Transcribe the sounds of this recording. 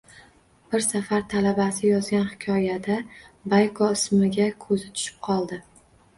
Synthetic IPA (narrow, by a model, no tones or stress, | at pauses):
b̥ɪɾsafaɾt̪ʰalabasɪjɒzɡʲanhɪ̥kʲʰɒjad̪abajkʰɒɪsmɪɡʲakʰɵzɪt̪ʰʊ̥ʃɪ̥p̚qʰɒlˠd̪ɪ